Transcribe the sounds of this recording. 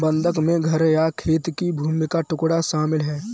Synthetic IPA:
bə̃nd̪ʱəkmẽɡʱəɾjakʰeːt̪kibʱuːmɪkaʈʊkɽaʃaːmɪlɦɛː

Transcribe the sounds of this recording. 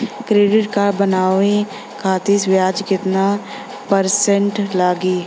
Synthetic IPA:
kɾeːɖɪʈkaɾbənaːʋẽ | kʰaːt̪isbjaːd͡ʒkɪt̪na | pəɾsə̃ɳʈlaːɡiː

